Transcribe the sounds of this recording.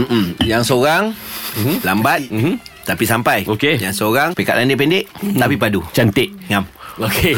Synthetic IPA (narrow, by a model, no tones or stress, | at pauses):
m̩ʔ̩jaŋsoɾaŋ̩ | lambat̪̚m̩m̩t̪apisampajokejaŋsoɾaŋpekaʔlandeʔpendeʔt̪apipadut͡ʃant̪ɪʔŋamoke